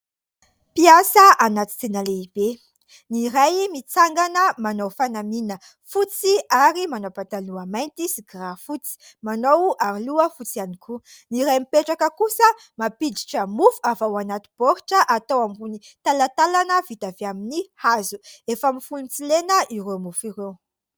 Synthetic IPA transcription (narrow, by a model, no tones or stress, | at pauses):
piasəʔanat̪i̥t̪enəleib̥e | niɾajmit͡saŋɡanəmanowfanaminə | fut͡siaɾimanowpat̪aluamajnt̪isiɡrafut͡si̥ | manowaɾluəfut͡sianikʰu | niɾajmipeʈ͡ʂakəkusə | mapid̪iʈ͡ʂəmufu̥avawanat̪i̥b̥oɾiʈ͡ʂəʔat̪owamunit̪alat̪alanəvit̪aveaminihazuefamifulunt͡silenəʔiɾemufiɾew